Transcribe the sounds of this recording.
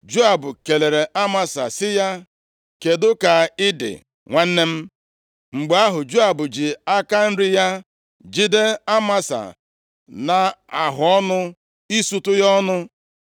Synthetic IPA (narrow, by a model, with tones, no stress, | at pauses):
d͡ʒu˦a˨bʊ˨ke˨le˨ɾe˨ʔa˦ma˦sa˨sɪ˦ja˦ | ke˨dʊ˦ka˨ɪ˦dɪ̰˨ | ŋʷa˦n̩˦ne˦m̩˦ | ŋ͡m̩˨ɡ͡ba˦ɦʊ˨d͡ʒu˦a˨bʊ˨d͡ʒɪ˨a˦ka˦n̩˦ɾɪ˦ja˦ | d͡ʒi˦de˦a˦ma˦sa̰˨ | na˨a˨ɦʊ˨ɔ˦nʊ˦ | i˦su˨tʊ˦jɔ˦nʊ˦